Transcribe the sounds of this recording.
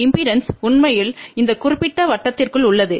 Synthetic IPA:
ɪmpiːɾɐnsʊɳmɐjɪlɪnd̪ɐkʊrɪpːɪʈːɐʋɐʈːɐt̪ːɪrkɯɭʊɭːɐðɯ

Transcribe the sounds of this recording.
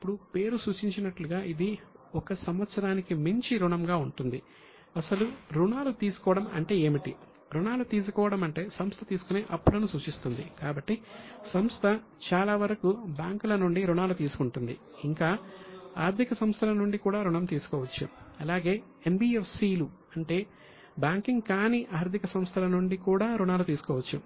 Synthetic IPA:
ipːuɽupe̞ːɾusuːt͡ʃiɲt͡ʃinɐʈluɡaːʔid̪iɔkɐsɐmʋɐt̪sɐɾaːnikimiɲt͡ʃiɾuɳɐmɡaːuɳʈund̪i | ɐsɐluɾuɳaːlut̪iːsu̥kɔːʋɐɽɐmɐ̰ɳʈe̞ːeːmiʈi | ɾuɳaːlut̪iːs̬ukɔːʋɐɽɐmɐɳʈe̞ːsɐmst̪ʰɐt̪iːsu̥kuneːʔɐpːulɐnusuːt͡ʃist̪und̪ikaːbɐʈːisɐmst̪ʰɐ | t͡ʃaːlaːʋɐɾɐkubjaːŋkulɐnuɳɖiɾuɳaːlut̪iːsu̥kuɳʈund̪ḭ | iŋkaːaːɾt̪ʰikɐsɐmst̪ʰɐlɐnuɳɖikuːɽaːɾuɳɐmt̪iːsu̥kɔːʋɐt͡ʃːṵɐlaːɡe̞ː | embiːefsiːlu | ɐɳʈe̞ː | baːŋkiŋɡkaːniːʔaːɾd̪ʱikɐsɐmst̪ʰɐlɐnuɳɖikuːɽaːɾuɳaːlut̪iːsu̥kɔːʋɐt͡ʃːu

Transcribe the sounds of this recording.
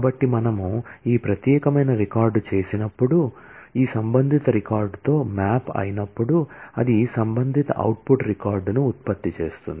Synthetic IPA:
bɐʈːimɐnɐmuiːpɾɐt̪jɛːkɐmɐjnɐɾikaːɾɖt͡ʃe̞ːsinɐpːuɽu | iːsɐmbɐnd̪ʱit̪ɐɾikaːɾɖt̪o̞ːmaːpɐ̰jinɐpːuɽuɐd̪isɐmbɐnd̪ʱit̪ɐ̰ʔɐ̰wʈ̚puʈɾikaːɾɖnuːt̪̚pɐt̪ːit͡ʃe̞ːst̪ṵnd̪i

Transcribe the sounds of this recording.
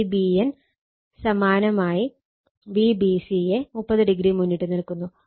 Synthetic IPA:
bien | sɐmaːnɐmaːji | ʋiːbisijemupːɐðɨɖiɡɾimunːiʈːɨniɭkːunːu

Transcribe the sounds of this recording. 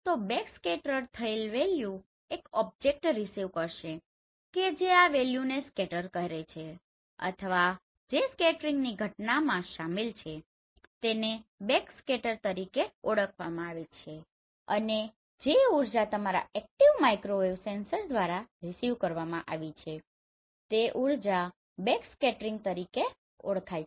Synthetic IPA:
t̪obɛkskɛʈəɾt̪ʰəelʋelju | ekɔb̚d͡ʒek̚ʈɾisiʋkəɾʃe | ked͡ʒeaʋeljuneskɛʈəɾkəɦɾet͡ʃʰe | ə̰t̪ʰəʋa | d͡ʒeskɛʈɾiŋɡniɡʱəʈnamãʃamilt͡ʃʰe | t̪enebekskɛʈəɾt̪əɾikeɔɽəkʰʋamãaʋet͡ʃʰe | ə̰ne | d͡ʒeuɾd͡ʒat̪əmaɾa̰ɛk̚ʈiʋmajkɾoʋeʋsensəɾd̪ʋaɾaɾisiʋkəɾʋamãʔa̰ʋit͡ʃʰe | t̪eʔuɾd͡ʒa | bekskɛʈɾiŋɡ̚t̪əɾike | ɔɽkʰajt͡ʃ

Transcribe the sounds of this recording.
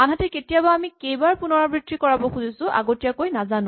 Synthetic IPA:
anɦatɛketijabaamikejbaɹpunɔɹabɹitʰːikɔɹabɔxuzisʊ̃ʔa̰ɡotijakojnazanʊ

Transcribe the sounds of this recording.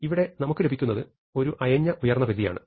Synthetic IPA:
iʋiɽe̞nɐmukːɨlebʱikʲːunːɐðɨ | o̞ɾuʔɐjɐɲːɐʔujɐrnːɐbilija̰ːɳɨ̰

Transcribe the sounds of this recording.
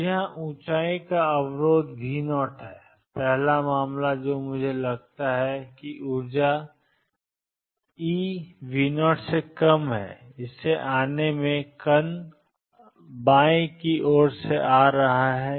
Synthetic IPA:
jɐɦãʔũːt͡ʃaːĩkaɐwɾoːd̪ʋʱiːnɔːʈɦɛː | pɛɦlamaːmlad͡ʒoːmʊd͡ʒʱelɐɡ̚t̪aɦɛkiʔʊɾd͡ʒa | iːʋiːnɔːʈsekɐmɦɛ̰ːɪsːeʔaːnemẽkɐn | bãːjĩkiʔɔːɾseʔaːɾɐɦaɦɛː

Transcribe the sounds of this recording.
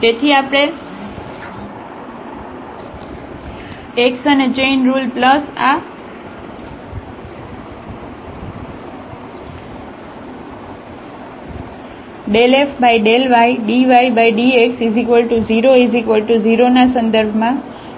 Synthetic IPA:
d͡ʒet̪ʰiapɽ̃e | eksəned͡ʒejnɾulpləsa | ɖelefbajɖelʋajɖiʋajbajɖieksizikʋəlʈuziɾoizikʋəlʈuziɾonasə̃nd̪əɾbʱmã

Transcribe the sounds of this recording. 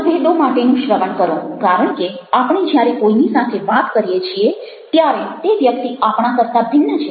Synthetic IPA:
bʱeɗomaʈenũʃɾəʋəɳkəɾũkaɾəɳ̃ke | apɳ̃ed͡ʒjaɾekoinisat̪ʰeʋat̪kəɾijet͡ʃʰie | t̪jaɾet̪eʋjək̚t̪iapɳ̃ãkəɾt̪abʱɪnːət͡ʃʰe

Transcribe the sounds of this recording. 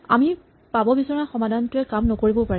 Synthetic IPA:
a̰mi | pabɔbisɔnaxɔmadʱantʊɛkamnɔkoɹibɔpaɹɛ

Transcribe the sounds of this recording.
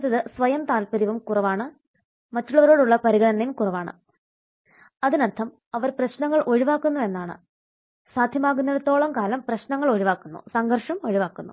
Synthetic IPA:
t̪ːɐðɨsʋɐjɐmt̪aːlpɐɾiʋumkurɐʋaːɳɨ | mɐtːuɭːɐʋɐɾo̞ːɽuɭːɐpɐɾiɣɐɽɐnːɐjumkurɐʋaːɳɨ̰ | ɐðinɐrt̪ʰːɐm | ɐʋɐɾprɐɕnɐŋːɐɭʔo̞ɻiʋaːkːunːue̞nːaːɳɨ̰ | saːd̪ʱjɐmaːɣunːɐðɐt̪ːo̞ːɭɐmkaːlɐmprɐɕnɐŋːɐɭo̞ɻiʋaːkːunːṵsɐŋɡʱɐrʂɐmo̞ɻiʋaːkːunːu

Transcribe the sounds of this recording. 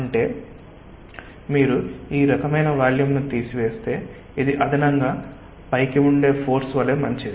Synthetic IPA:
ɐɳʈe̞ː | miːɾuiːɾɐkɐmɐjnɐʋaːljumnut̪iːsiʋe̞ːst̪e̞ː | id̪iʔɐd̪ʱɐnɐŋɡaː | pɐjkiuɳɖe̞ːpʰo̞ːɾsʋɐleːmɐɲt͡ʃid̪i

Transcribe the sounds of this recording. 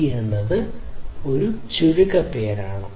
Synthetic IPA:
jenːɐðɨo̞ɾuɕuɾukːɐpːe̞ːɾaːɳɨ

